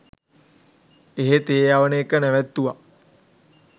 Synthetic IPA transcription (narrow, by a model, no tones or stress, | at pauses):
eɦet̪eːjaʋənəekənɛʋæt̪ːuʋa